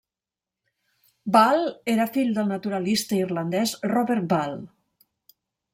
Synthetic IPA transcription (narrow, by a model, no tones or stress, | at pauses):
balˠeɾəfiʎd̪əlˠnət̪uɾəlist̪əirlənd̪ɛzrɔβeɾt̪̚balˠ